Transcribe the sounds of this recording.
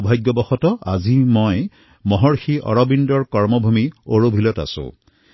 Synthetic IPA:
bʱajɡjɔbɔxɔtɔa̰zimoj | mɔɦɔɹxiʔɔ̰ɹɔbindɔɹkɔɹmɔbʱumioɹobʱilɔta̰sʊ̰̃

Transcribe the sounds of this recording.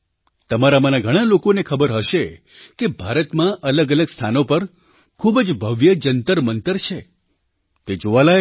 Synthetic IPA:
t̪əmaɾamənaɡʱəɽ̃alokonekʰəbəɾɦəʃe | kebʱaɾət̪mãʔələɡələɡst̪ʰanopəɾ | kʰubd͡ʒbʱəʋjəd͡ʒənt̪əɾmənt̪əɾt͡ʃʰe | t̪ed͡ʒoʋaləe

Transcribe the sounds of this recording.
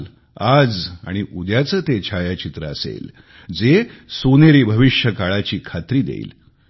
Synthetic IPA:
l | ad͡za̰ɽ̃iʔud̪jat͡səːt̪et͡ɕʰajat͡ɕit̪ɾəəsḛl | d͡zesoneɾiːbʱəʋiʂjəkaɭat͡ɕiːkʰat̪ɾiːd̪ḛḭl

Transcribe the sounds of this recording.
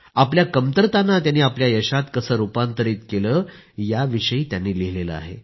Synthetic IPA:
apljakəmt̪əɾt̪anːat̪janːiːapljajəɕat̪kəsəːɾupant̪əɾiːt̪keləː | jaʋiɕəiːt̪janːiːliɦlelə̰a̰ɦḛ

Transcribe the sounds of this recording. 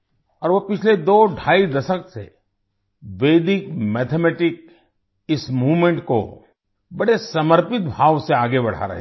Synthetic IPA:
ɔːɾʋopɪt͡ʃʰled̪oːɖʱaːid̪ɐʃəksḛ | ʋeːd̪ɪkmɛːt̪ʰemɛːʈɪk̚ | ɪsmuːʋmẽɳʈko̰ | bɐɽesɐməɾpɪt̪̚bʱaːʋseaːɡebɐɽ̤a̰ɾɐ̰ɦe

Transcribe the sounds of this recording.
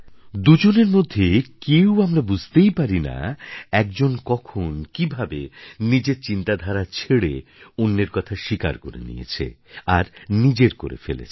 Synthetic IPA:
d̪ud͡ʑoneɾmod̪ʱːekewamɾabud͡ʑʱt̪ejpaɾina̰ɛk̚d͡ʑonkɔkʰonkibʱabenid͡ʑeɾt͡ɕint̪ad̪ʱaɾat͡ɕʰeɽeonːeɾkɔt̪ʰaʃika̰ɾkoɾḛnḭjḛt͡ɕʰḛaɾnid͡ʑeɾko̰ɾḛfḛlḛt͡ɕʰ

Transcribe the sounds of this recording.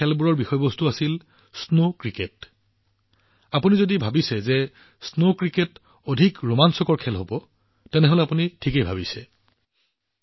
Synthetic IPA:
ɛlbuɹɔɹbixɔjbɔstuasil | snokɹiket | apunizodibʱabisɛzɛ | snokɹiket | odʱikɹomansɔkɔɹkʰɛlɦobɔ | tɛnɛɦolɛapunitʰikejbʱabisɛ

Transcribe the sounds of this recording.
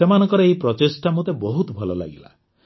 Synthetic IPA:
semanɔŋkɔɾɔeipɾɔt̪esʈamut̪ebɔɦut̪ɔbʱɔlɔla̰ɡila̰

